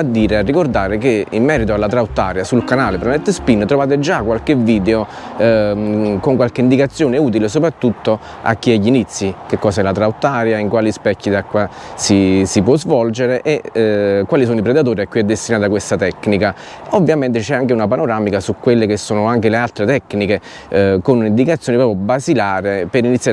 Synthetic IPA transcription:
ad̪ːiːɾearːikord̪aːɾekeimːɛːɾit̪̬oalːat̪ɾawt̪ːaːɾjasulkanaːlepɾemɛnt̪ːespinːt̪ɾovaːt̪̬ed͡ʒakːwalkeviːd̪eo | koŋkwalkeind̪ikat̪sːjoːneuːt̪̬iles̬opɾat̪ːut̪ːo | a̰kːiɛʎːinit̪sːikekːɔːsaɛlat̪ɾawt̪ːaːɾjaiŋkwaːlispɛkːid̪akːwasisipwɔzvɔld͡ʒeɾeʔekːwaːlisoːnoipɾed̪at̪̬oːɾiakːwiɛd̪ːest̪inaːt̪akwest̪at̪ɛkːnika | ovːjament̪̬et͡ʃɛaŋkeunapanoɾaːmikasukːwelːekesːoːnoaŋk̟elealt̪ɾet̪ɛkːnike | konunind̪ikat̪sjoːnipɾɔːpjobazilaːɾepeɾinit̪sːja

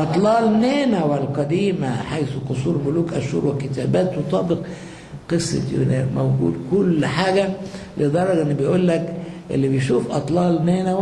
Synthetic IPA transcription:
ʔɑt̪ˤlɑːlneːnæwælqɑd̪iːmæħajsuqʊsuːɾmʊluːkʔæʃhṵːɾwekɪt̪æːbæːt̪wet̪ˤɑːbeq | qesˤːɑ̰t̪jo̰nḛːɾmowɡṵːd̪kʊlːħaːɡæbed̪ˤɑrˤːɑɡʔenːibejʔuːlːækʔḛlːibejʃuːfʔɑt̪ˤlɑːlneːnæ

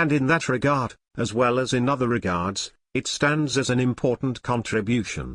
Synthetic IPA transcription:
ɨ̃nɨ̃nðɨt̚ɹɨɡɑɹɾ | ɨzwɛlˠəzɨ̃nʌðə˞ɹɨɡɑɹdz̥ | ɨtstæ̃ndzɨzɨ̃nɨ̃mpʰɔɹʔn̩kʰɑ̃ntʰɹ̥ɨbjʉʃɨ̰̃n

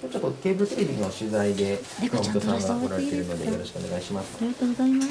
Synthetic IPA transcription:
ot͡ɕo̞t̪ːokʲe̞ːbɯɾɯt̪eɾebʲiɲioɕɨzaid̪e̞kõk̪oãŋŋɡaakoɾaɾet̪e̞ɾɯ̟no̞d̪e̞jo̞ɾo̞ɕi̥kɯo̞ne̞ɡaiɕimasɨ̥aɾiɡat̪oːɡozaima

